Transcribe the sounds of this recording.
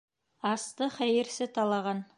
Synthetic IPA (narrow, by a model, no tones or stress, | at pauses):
ɑst̪ɤχæjɘ̆ɾsɘt̪ɑlˠɑʁɑn